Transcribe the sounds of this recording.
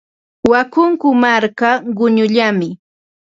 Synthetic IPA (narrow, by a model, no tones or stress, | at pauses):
wakʊŋkʊmaɾkaɢʊɲʊʎamɪ